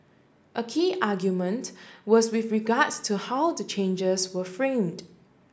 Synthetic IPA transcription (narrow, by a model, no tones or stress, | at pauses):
ʔəkʰiːʔaɡjumə̃ntwɔswɪθɹiɡadstʰuhawdət͡ʃʰẽnd͡ʒəswəfɹẽmd